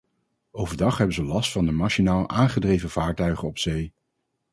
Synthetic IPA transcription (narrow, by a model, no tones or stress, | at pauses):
owvəɹdɑχɦɛbənzəlɑstfɑndəmaʃinaːlˠʔaːnχədrejvəv̥aːɹtœɥχənɔpsej